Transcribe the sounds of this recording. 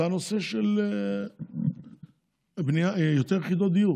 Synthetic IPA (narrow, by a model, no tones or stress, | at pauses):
anoseʃele | bnijajot̪eʁχid̪od̪iju